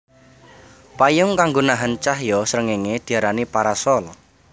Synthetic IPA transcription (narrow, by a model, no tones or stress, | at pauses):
pajʊŋkaŋɡonaɦənt͡ʃaɦjɔsəɾəŋeŋed̪̥i̤aɾanipaɾasɔl